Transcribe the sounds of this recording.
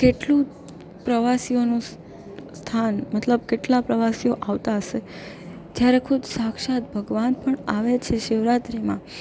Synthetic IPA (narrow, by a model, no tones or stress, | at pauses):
keʈlũ | pɾəʋasionũs | st̪ʰanmət̪ləb̚keʈlapɾəʋasioʔaʋt̪aɦəʃe | d͡ʒjaɾekʰud̪sakʃat̪̚bʱəɡʋanpəɳaʋet͡ʃʰeʃeʋɾat̪ɾimã